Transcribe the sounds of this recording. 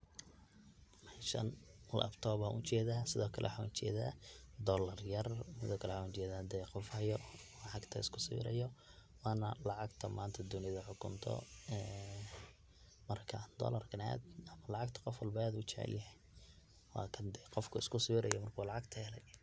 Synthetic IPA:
mɐʃɐ̰nlʔɐ̰bt̪ʰɔːbaʔʊt͡ʃɛːðaːsɪðɔːkʰɐlɛ̰wħaːnʊt͡ʃɛ̰ːða̰ːd̪ɔːlɐrjɐrsɪðɔːkʰɐlɛwħaːnʊt͡ʃɛːðaːd̪ɛqɔfhɐjɔlɑʕɑɡt̪ʰɐ̰ɪskʰʊsʊj̰ɾɐ̰jɔ | wɑːnɐlɑʕɑɡt̪ʰɐmaːnt̪ʰɐd̪ʊnɪðɐħʊkʰʊnt̪ʰɔ̰ɛː | mɐrkʰɐd̪̥ɔ̰ːlɐrkʰɐna̰ːd̪ɐmɐlɑʕɑɡt̪ʰɐ̥qɔfwɐlbɐaːd̪ʊʊt͡ʃɛ̰ʕɪ̰ljɐɦɛ | wɑ̰ːkʰɐnd̪ɛqɔfkʰʊɪskʰʊsʊwɾɐjɔmɐrkʰuːlɑʕɑɡt̪ʰɐlɐj

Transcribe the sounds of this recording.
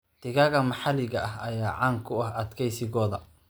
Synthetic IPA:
d̪̥ɪɣaːɣɐmɑħɑlɪɣɐʔɐɦɐjaːʕaːŋkʰʊɐhɐd̪kʰɛjsɪɣɔːðɐ

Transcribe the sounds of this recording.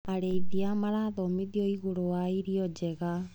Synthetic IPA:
aɾɛiðiamaɾaðɔmiðiɔiɣoɾoaiɾiɔd͡ʒɛɣa

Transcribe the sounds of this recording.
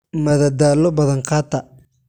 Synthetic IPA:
mɐðɐd̪aːlɔbɐðɐŋqɑːt̪ʰɐ

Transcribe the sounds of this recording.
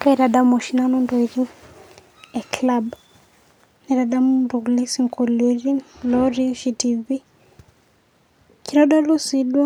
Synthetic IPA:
kaiɾaɗamɔʃinanɔndɔiɾi | ɛklab | nɛɾadamduɣulisiŋkɔliɾilɔɾiʃitivi | kiɾɔɗɔlusiɗwɔ

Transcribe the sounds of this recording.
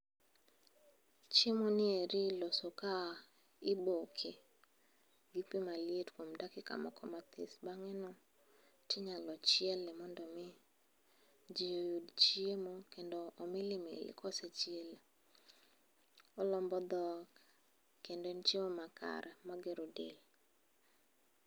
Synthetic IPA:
t͡ʃemonɪeɾɪlosoka | ɪbokʰe | ɡɪpimalɪjetkomdakɪka̰ma̰kʰɔmat̪ɪ̰sbaŋɛnɔ | tɪɲalɔt͡ʃɪjɛlːɛmɔndɔmɪ | d͡ʒijojudt͡ʃiemokendoːmɪlɪmḛlɪ̰kʰɔset͡ʃjel | ɔlɔmbɔd̪ɔk | kendent͡ʃemomakʰa̰ɾʔɛmaɡɪɾodḛl

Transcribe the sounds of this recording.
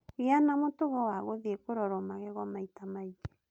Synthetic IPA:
ianamotoɣɔwaɣoðiekoɾɔɾɔmaɣɛɣwɔmaitamaid͡ʒe̥

